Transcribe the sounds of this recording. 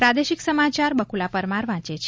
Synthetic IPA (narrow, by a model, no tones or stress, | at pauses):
pɾad̪eʃiksəmat͡ʃaɾbəkulapəɾmaɾʋãt͡ʃet͡ʃʰ